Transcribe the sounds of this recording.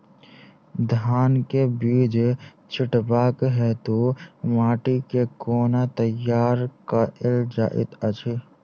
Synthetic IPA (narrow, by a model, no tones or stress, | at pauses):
d̪ʱaːnkebiːd͡ʒ | t͡ʃʰɪʈbaːkɦɛt̪omaːʈikekoːnat̪əjaːɾkaɪld͡ʒa̰ːʔɪ̰t̪ət͡ʃʰi